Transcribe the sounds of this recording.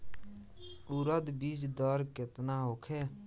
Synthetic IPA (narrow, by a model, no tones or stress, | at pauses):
uɾəd̪biːd͡ʒd̪ɔːɾkɪt̪naɦokʰeː